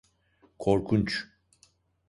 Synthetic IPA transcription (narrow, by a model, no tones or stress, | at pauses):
kʰoɾkʰunt͡ʃ